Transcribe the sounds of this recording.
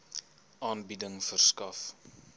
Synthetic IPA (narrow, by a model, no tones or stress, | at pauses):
ʔɑːnbidəŋfərskɐf